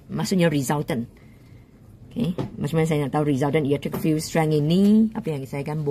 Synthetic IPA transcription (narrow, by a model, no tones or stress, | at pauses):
masʊk̚ɲaɹizalt̪ə̃n | okʰemat͡ʃmaɲãsajanaʔt̪auɾizalt̪ə̃njatɹikfiwstɹɛ̃ŋiniapəjãŋɡisajakanb